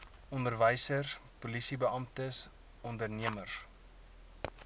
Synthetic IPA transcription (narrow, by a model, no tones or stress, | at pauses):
ʔɔndərvəjsərspulisibəɐmtəs | ɔndərniəmər